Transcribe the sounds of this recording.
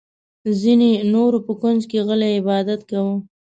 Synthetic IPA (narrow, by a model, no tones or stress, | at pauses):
zinenoɾopəkʊnzkeɣəlaɪbɑd̪at̪kawə